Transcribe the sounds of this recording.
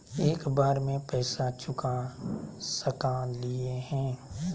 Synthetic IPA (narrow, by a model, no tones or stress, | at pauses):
eːkbaːɾmẽpɛːsat͡ʃʰʊka | səkalɪeɦɛ̃ː